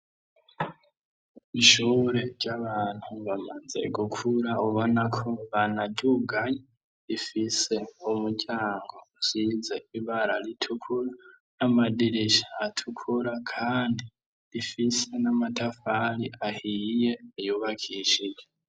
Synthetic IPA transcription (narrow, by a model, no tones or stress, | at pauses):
iʃuɾe̞ɟaβaːn̥huβamaze̞̰ɡukʰuɾauβonakʰo̞βanaɟuɡaɲe | ɾifise̞umuɟaːŋɡo̞sizeiβaɾaɾitʰukʰuɾa | namadiɾeʃaːtʰukʰuɾakʰaːndi | ɾifise̞namatʰafaɾiʔahije̞ːjuːβakʰiʃid͡ʒe